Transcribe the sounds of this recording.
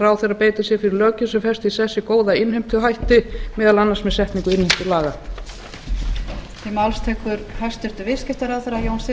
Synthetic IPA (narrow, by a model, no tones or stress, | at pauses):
ɾaːwθɛɾapeːjt̪ɪsjɛfɪɾɪɾlœːcʏsɛmfɛrst̪isɛsːɪkoːwðaɪnhem̥t̪ɪɔɦajht̪ɪmɛːðalanːaɾsmɛðsɛht̪niŋkʏɪnhejm̥t̪ɪlaːɣa | θɪmawlst̪ʰɛːkʏɾhast̪ɪɾ̥t̪ʏvɪ̥scɪht̪aɾawθɛɾajownsɪ